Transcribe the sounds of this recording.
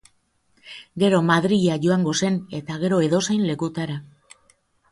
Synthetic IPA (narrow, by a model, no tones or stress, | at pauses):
ɡe̞ɾo̞maðɾiʎaʝo̞aŋɡo̞se̞ne̞t̪aɣ̞e̞ɾo̞e̞ðo̞sajnle̞kut̪aɾa